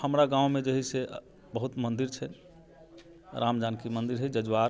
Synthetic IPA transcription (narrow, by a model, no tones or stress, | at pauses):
həmɾaɡãũmed͡ʒəɦise | bəɦut̪mənd̪iɾt͡ʃʰɛn | ɾamd͡ʒankimənd̪iɾɦɛd͡ʒəd͡ʒwaɾ